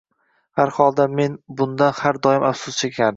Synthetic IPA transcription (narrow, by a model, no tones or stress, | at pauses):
haɾhɒlˠd̪ame̞nbʊnd̪anhaɾd̪ɒjɪmafsʊst͡ʃʰekʲʰan